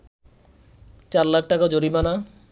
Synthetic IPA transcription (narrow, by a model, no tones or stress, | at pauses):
t͡ʃaɾlak̚ʰʈakad͡ʒoɾimana